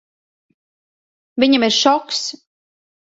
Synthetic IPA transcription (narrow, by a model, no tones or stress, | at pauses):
vʲiɲamiɾʃɔks